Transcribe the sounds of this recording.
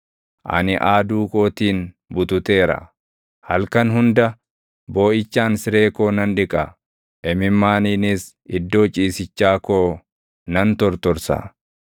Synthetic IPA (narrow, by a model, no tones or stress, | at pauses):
ʔɐ̰nɪʔaːd̪uːkʼo̞ːt̪iːn | bʊt̪ʊt̪e̞ːɾɐ̰ | hɐlkɐnɦʊnd̪ɐ | bo̞ːʔɪt͡ʃːaːnsɪɾe̞ːko̞ːnɐnᶑɪkʼɐ | ʔɛmɪmːaːniːnɪs | ɪd̪ːo̞ːt͡ʃʼiːsɪt͡ʃːaːkoː | nɐnt̪ɔɾt̪ɔɾsɐ̰